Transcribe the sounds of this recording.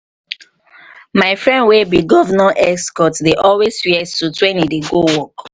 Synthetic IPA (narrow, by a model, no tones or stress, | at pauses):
maɪfɹɛ̃ndwebiɡɔvənaʔɛskɔtdeʔɔlwesfiɛstutwɛ̃nideɡowɔk